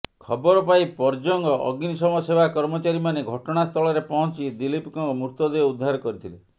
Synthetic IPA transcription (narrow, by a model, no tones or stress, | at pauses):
kʰɔbɔɾɔpaipɔɾd͡ʒɔŋɡɔʔɔ̰ɡinisɔmɔsebʱakɔɾmɔt͡ʃaɾimaneɡʱɔʈɔɽ̃ast̪ʰɔɭɔɾepɔɦɔ̃nt͡ʃid̪ilipkɔŋmuɾt̪ɔd̪eeud̪ʱːaɾɔkɔɾit̪ʰile